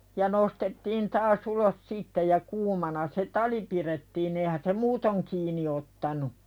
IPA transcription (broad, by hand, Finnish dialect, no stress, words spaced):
jɑ nostetːiːn tɑːs ulos sitːe jɑ kuːmɑnɑ se tɑli piɾetːiːn eihæn se muːtoŋ kiːni otːɑnu